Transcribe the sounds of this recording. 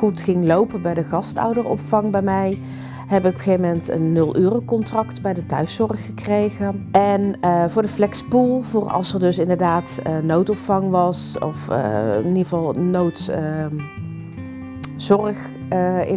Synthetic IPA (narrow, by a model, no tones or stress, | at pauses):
χutχɪŋlowpənbɛjdəχɑstɔ̰wdərɔ̰pfɑŋbɛjmɛj | ɦɛbɪkɔpxejvəmɛntə̰nːɵlˠʔyːrokɔntrɑktbɛjdətœɥsɔrxəkrejɣəʔɛnəvʊːɹdəflɛkspulˠvʊːrɑ̰lˠsərdɵsɪndəɹdaːtənowtɔpfɑŋʋɑsɔ̰fə̰niəvɑlˠnowtə | zɔrəχ | əɪ̰